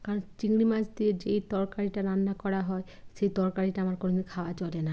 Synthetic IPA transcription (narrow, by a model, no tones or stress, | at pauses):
kaɾɔnt͡ɕiŋɽimad͡ʑd̪ied͡ʑejt̪ɔɾkaɾiʈaɾanːakɔɽaɦɔe | ʃejt̪ɔɾkaɾiʈaamaɾkononikʰaoat͡ɕolena